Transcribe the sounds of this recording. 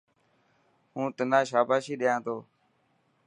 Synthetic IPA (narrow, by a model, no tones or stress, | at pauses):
ɦũːt̪ənãːʃaːpaːʃiːɗɪjãːt̪oː